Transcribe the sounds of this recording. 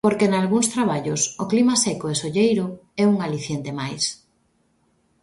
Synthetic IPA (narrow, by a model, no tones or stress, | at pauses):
poɾkenalɣuŋst̪ɾaβ̞aʎʊsoklimasɛkoesoʎejɾoɛuŋaliθjent̪emajs